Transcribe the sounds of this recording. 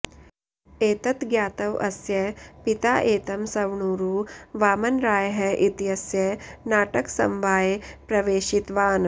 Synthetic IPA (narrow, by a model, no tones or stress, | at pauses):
eːt̪ɐt̪ɡjaːt̪ɐʋɐ̰sjɐpit̪a̰ːʔeːt̪ɐmsɐʋɳuːɾuːʋaːmɐnɾaːjɦɐʔit̪jɐsjɐnaːʈɐksɐ̰mʋaːjepɾɐʋeːʃit̪ʋaːn